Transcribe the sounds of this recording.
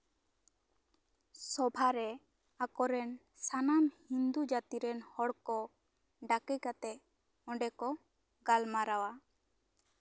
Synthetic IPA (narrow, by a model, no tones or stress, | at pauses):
sɔbʱaɾɛ | akɔɾɛn | sanamhind̪ud͡ʒat̪iɾɛnhɔɽkɔ | ɖakikat̪ɛ | ɔ̃ɖɛkɔ | ɡalmaɾawa